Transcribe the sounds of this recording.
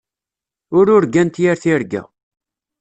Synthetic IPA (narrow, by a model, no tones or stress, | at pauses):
ʊɾʊɾɡænt̪jæɾθiɾɡæ̰